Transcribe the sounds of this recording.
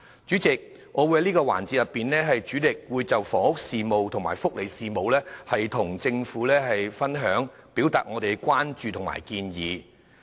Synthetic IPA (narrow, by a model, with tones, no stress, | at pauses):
t͡ʃyː˨˥t͡sɪ˨k̚ | ŋʔɔː˨˧wu˨˧jhɐ˨˦jniː˥kɔː˧wa̰ː˨˩nt͡siː˧t̚jɐ˨pːiː˨nlɛː˥ɦɐ˨jt͡ʃyː˨˥lɪ˨k̚wuː˨˧jt͡sɐ˨wfɔː˨˩hʊ˥k̚siː˨mo˨wt̪ʰʊ˨˩ŋma̰ː˨˩jfʊ˥k̚le˨˧jsiː˨mo˨˧wlɛː˥hɐ˨jt̪ʰʊ˨˩ŋt͡sɪ˧ŋfuː˨˥lɛː˥ɦɐ˨jfɐ˥nɦœː˨˥ŋpiː˨˥wt̪aː˨t̚ŋɔː˨˧t̪e˨jkʷaː˥nt͡ʃyː˨t̪ʰʊ˨˩ŋma̰ː˨˩jkiː˧njiː˨˧